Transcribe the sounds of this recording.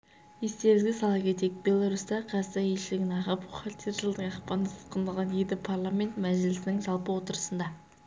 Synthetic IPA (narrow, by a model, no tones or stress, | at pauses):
je̞st̪e̞ɾɪzɡʲɪsɑlˠɑpkʲʰe̞t̪e̞k̚bʲe̞lˠaɾust̪ɑqʰɑsɑje̞ʃɪlɪɡʲɪnɑʁəpʊχɑlt̪ʰeɾʒəlˠd̪əɴɑqpɑnəsə̥t̪qənd̪ɑlˠʁɑnjed̪ɪpʰarlˠamʲe̞nt̪mæʒɪlɪsɪnɪŋʒɑlˠpəwo̞t̪əɾəsənd̪ɑ